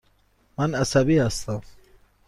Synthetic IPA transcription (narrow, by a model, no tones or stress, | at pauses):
manasabiast̪a